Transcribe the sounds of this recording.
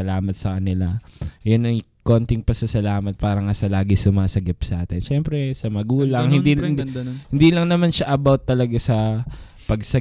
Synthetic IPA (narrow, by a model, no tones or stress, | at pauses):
ɐlaːmɐt̪̚sɐkɐnɪlajonɐj | ko̞nt̪ɪŋpɐsɐsɐlaːmɐt̪̚paːɾɐŋasɐlaːɡɪsʊmaːsɐɡɪpsɐʔaːt̪ɪnʃɛmpɾɛsɐmɐɡuːlɐŋhɪnd̪i | hɪnd̪iːlɐŋnɐmanʃaʔɐbawt̪ːɐlɐɡasɐ | pɐɡ̚sɐ